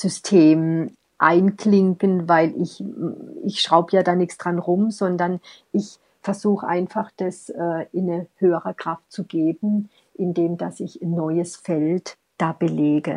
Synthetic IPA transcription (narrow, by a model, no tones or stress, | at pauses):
z̥ʏstʰeːm | ʔaɪnklɪŋkənvaɪlʔɪç | ɪçʃʁ̥aʊbəjaːdaːnɪçsd̥ʁanʁʊmzɔndɐn | ʔɪç | fɛɐzuːχəʔa̰ɪnfaχd̥asʔɛːɪnəhøːəʁəkʁ̥aftt͡suɡeːbn̩ | ʔɪndeːmd̥asɪçnːɔʏəsfɛlt | d̥aːb̥əleːɡə